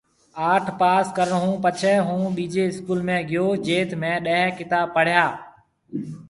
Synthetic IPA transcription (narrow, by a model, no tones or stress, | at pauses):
aːʈʰpaːskəɾnəɦũːpət͡ʃʰɛɦũːɓiːd͡ʒeːɪskuːlmẽːɡɪjoːd͡ʒeːt̪mẽːɗəɦkɪt̪aːb̚pəɽ̤jaː